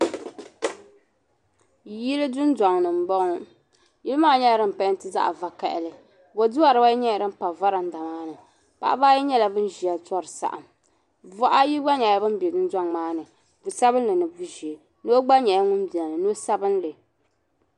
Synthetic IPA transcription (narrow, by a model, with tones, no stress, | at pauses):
ji˦lɨ˦dʊ˦nda˨ŋnɨ˨m̩˨˦bɔ˦ŋ˦ | ji˦lɨ˦maː˦˨ɲɛ˦˨ɾɨ˦˨m̩˨pa˦n˦tɨ˦za̰˦ʔa̰˨va˨ka˨ʔɪ̰˨lɨ˨ | bo˨du˦wa˨ɾɨ˦ba˦jɲɛ˦˨ɾɨ˦m̩˦pa˨va˦ɾa˨n̩˦da˨maː˦nɨ˨ | pa̰˦ʔbaː˦ji˦ɲɛ˦la˨bɨ˦n˦ʒi˨a˨tɔ˦ɾɨ˨sa̰˨ʔa̰˨m | vɔ˦ʔa˦ji˦ɡ͡ba˦ɲɛ˨ja˦bɨ˦m˦bɛ˨dʊ˦n˦da˦ŋmaː˦nɨ˨ | bu˨sa˦bɨ˦n˦lɨ˨nɨ˨bu˦ʒɛ˨ | no˦ɡ͡ba˦ɲɛ˨ja˦ŋʊ˦m˦bɛ˨lɨ˨no˦sa˦bɨ˦n˦lɨ˨